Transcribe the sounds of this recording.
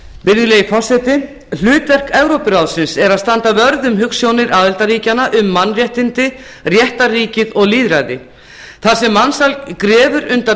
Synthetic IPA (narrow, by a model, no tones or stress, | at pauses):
pɪnːɪlejɪfɔsɛt̪ɪ | l̥ʏːt̪vɛr̥kɛvɾowpɪɾaːwðsɪnsɛɾaðst̪ant̪avœɾðʏmɦʏksjoːwnɪɾʔaːðɪlt̪aɾiːcanaʔʏmːanːrjɛht̪ɪnt̪ɪ | rjɛht̪ariːcɪðɔɣliːðɾaːjðɪ | θasɛmːansalkɾɛːvʏɾʏnt̪a